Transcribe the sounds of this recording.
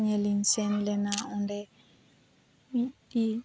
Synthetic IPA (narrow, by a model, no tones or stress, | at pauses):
ɲɛlin̩senilɪnaʊndɛ | i